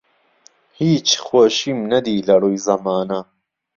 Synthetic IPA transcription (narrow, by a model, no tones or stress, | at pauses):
hiːt͡ʃʰxwoːʃimnɐd̪iːlɐrujzɐmaːnɐ